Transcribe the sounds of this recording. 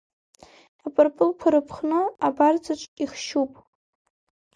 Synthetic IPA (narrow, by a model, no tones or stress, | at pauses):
apʼɨrpʼɨlkʷʰaɾɨpʰχnɨabard͡zaʈ͡ʂʷʼiχʃupʼ